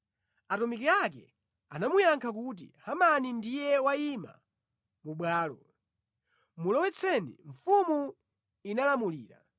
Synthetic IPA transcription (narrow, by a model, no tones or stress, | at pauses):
atɔmikɛak̬ɛ̰ | anamujaŋkʰakut̬ḭhamanindijɛwaima̰ | muɓwaːlɔ | mulɔwɛt͡sʰɛnḭɱfumu | inalamuliːɾa̰